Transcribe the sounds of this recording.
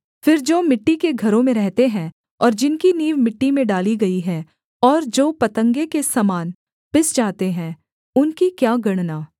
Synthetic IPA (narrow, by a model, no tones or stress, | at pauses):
fɪɾd͡ʒoːmɪʈːikeɡʱɐɾõmẽɾɛɦt̪eɦɛ̃ | ɔːɾd͡ʒɪnkiniːʋmɪʈːimẽɖaːliɡɐiɦɛ | ɔːɾd͡ʒoːpɐt̪ə̃ŋɡekesɐmaːn | pɪsd͡ʒaːt̪eɦɛ̃ː | ʊnkikjaːɡɐɽ̃naː